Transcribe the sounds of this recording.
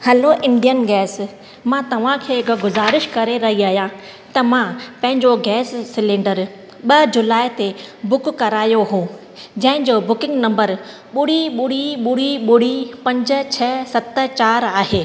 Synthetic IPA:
hɛloʔɪ̃ɳɖijənɡɛːs | mãːt̪ɐʋ̤ãkʰeːɪkɡʊzaːɾɪʃkɐɾeɾɐɦiaːɦjã | t̪ɐmãpɐ̃ɦɪ̃ɲd͡ʑoɡɛːsːɪlẽːɳɖəɾ | ɓɐd͡ʑʊlaːɪt̪ebʊkkɐɾaːjoɦũː | d͡ʑɐ̃ɦɪ̃ɲd͡ʑobʊkɪ̃ŋɡnɐ̃mbəɾ | ɓʊɽiɓʊɽ̤iɓʊɽiɓʊɽ̤ipɐ̃ɲd͡ʑʊ̆t͡ɕʰɐsɐt̪̆t͡ɕaːɾaːɦeː

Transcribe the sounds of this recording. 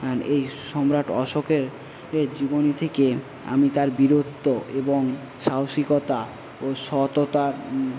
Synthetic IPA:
ejʃɔmɾaʈɔ̰ʃokeɾ | d͡ʑibonit̪ʰeke | a̰mit̪aɾbiɾot̪ːoʔeboŋ | ʃawʃikot̪a | oʃɔt̪ot̪aɾ

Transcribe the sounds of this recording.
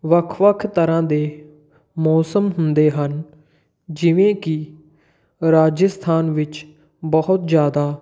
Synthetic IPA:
ʋəkʰʋəkʰt̪əɾãːd̪eː | mɔːsəmɦʊnd̪eːɦən | d͡ʒɪʋẽːkɪ | ɾaːd͡ʒəst̪ʰaːnʋɪt͡ʃ | bəɦʊt̪d͡ʒjaːd̪aː

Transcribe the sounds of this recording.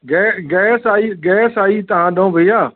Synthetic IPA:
ɡɛːɡɛːsaːiːɡɛːsaːiːt̪ɐɦãːɗəũʋʱəiaː

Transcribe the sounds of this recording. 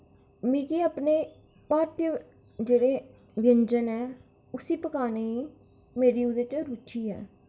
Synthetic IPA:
miːkiːaːpneː | paːɾt̪jə | d͡ʒeːɽeː | ʋɪjəɲd͡ʒənɛː | ʊsiːpəkaːneiː | meːɾiːʊd̪eːt͡ʃɾut͡ʃʰiːɛ̰ː

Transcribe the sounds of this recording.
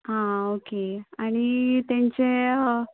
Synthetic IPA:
ɦãokeaɽ̃it̪ãɲt͡ɕe

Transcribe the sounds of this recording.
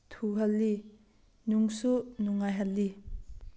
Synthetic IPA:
t̪ʰuɦɐlːi | nuŋsunuŋːajɦalːi

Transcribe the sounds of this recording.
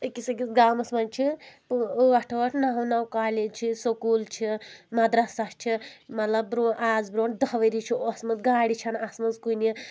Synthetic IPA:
əkisɐɡit͡sɡaːmɐsmɐnt͡ʃʰipʋɐʈʰʋɐʈʰnaːɦɐ̃nawkaːled͡ʒt͡ʃʰisokuːlt͡ʃʰimɐd̪ɾɐsat͡ʃʰimɐt̪lɐbbɾoːɳʔaːd͡zbɾoːɳd̪ɐʋɐɾit͡ʃʰiɔsmɐnt̪ɡaːɽit͡ʃʰɐnasmɐnzkuni

